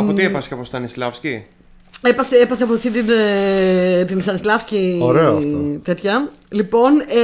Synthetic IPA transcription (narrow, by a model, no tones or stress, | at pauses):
ɐot̪iepɐsɐpost̪ɐnislɐfsci | epɐseepɐθeɐp̬oθt̪it̪ine | t̪insɐnislɐfscioɾeoɐft̪ot̪e̞t̪çɐ | lipo̞n